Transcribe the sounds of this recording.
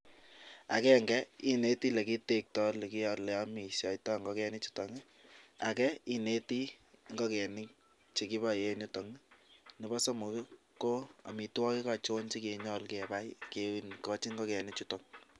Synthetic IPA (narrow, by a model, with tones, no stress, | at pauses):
a̰˨kɛ˦ŋɡɛ˦i˦ne˦ti˦le˨ki˦te˦k̚tɔ˦le˨ki˦jɔ˦lɛ˨a˦mi˨sɔ˨jtɔ˦ŋɡɔ˦kɛ˧nɪ˦t͡ʃu̥˦to˨ŋ˦ | a̰˨kɛ˦i˦ne˦ti˦ | ŋɡɔ˦kɛ˨nɪ˦k̚ | t͡ʃe˨ki˦ba˦˨je˦ɲʊ˦to˨ŋ˦nɪ˨bɔ˦so˦mu˨ki˦ | ko˦a̰˨mi˨twɔ˦ki˦ka˨t͡ʃo˦nt͡ʃi˦ke˨ɲɔ˦lkɛ˨ba˦jke˦wi˨nkɔ˦t͡ʃi˦ŋɡɔ˦kɛ˨nɪ˦t͡ʃu˦to˨ŋ